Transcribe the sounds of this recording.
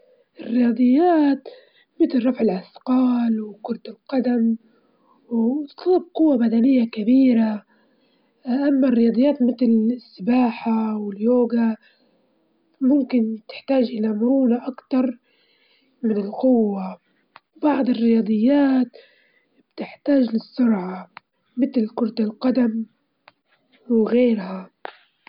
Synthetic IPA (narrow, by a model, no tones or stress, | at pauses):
ʔɪrːɪjɑːd̪ˤɨjːaːt̪ | mɪt̪lɾˤɑfʕɪlʔasqɑːlwkʊɾˤt̪ɪlqɑd̪am | wt̪ˤlːɑb̚qʊwːabad̪anɪjːakabiːɾa | ʔamːarːɪjɑːd̪ˤɨjːaːt̪mɪt̪lsːɪbaːħawɪljoːɡa | mʊmkɪnt̪ɪ̥ħt̪aːʒʔɪlamʊɾuːnaʔakt̪ɑɾˤ | mɪnɪlqʊwːa | bɑʕd̪ˤɨrːɪjɑːd̪ˤɨjːaːt̪ | b̥t̪ɪħt̪aːʒlɪsːʊɾʕa | mɪt̪lkʊɾˤt̪alqɑd̪am | wɪɣeːɾha